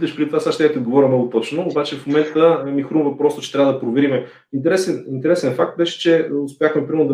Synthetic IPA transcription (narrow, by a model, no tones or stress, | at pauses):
lʲɛʃpɾit̪ovasaʃt̪ʲat̪iod̪ɡovɔɾʲəmnɔɡʊt̪ɔt͡ʃnoːbat͡ʃɛfmomɛnt̪əmixɾumvɐpɾɔst̪ʊ̥t͡ʃɛ̥t̪ɾʲavəd̪ɐpɾovɛɾimɛ | int̪ɛɾɛsɛnint̪ɛɾɛsɛnfak̚t̪̚bɛʃɛ̥t͡ʃɛʊspʲjaxmɛpɾimɛɾnʊd̪ɐ